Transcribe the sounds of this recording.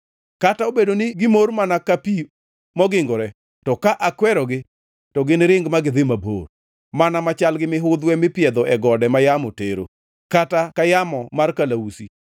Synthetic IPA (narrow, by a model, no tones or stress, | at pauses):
kataobedonɪɡɪmormanakapi | mɔɡɪŋɡɔɾɛ | tɔkaʔakwɛɾɔɡɪ | tɔɡɪnɾɪŋɡmaɡɪd̪ɪmabo̰r | manamat͡ʃalɡɪmɪɦʊd̪wɛmɪpɪɛd̪ɔʔɛɡɔdɛmajamɔteɾo̰ | katakajamɔmarkalausi